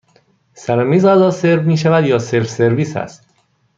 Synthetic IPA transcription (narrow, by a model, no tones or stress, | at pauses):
sæɾɒmiːzæzɒːseɾbmiːʃævæd̪jɒːseɾfse̞ɾviːsæ̰st̪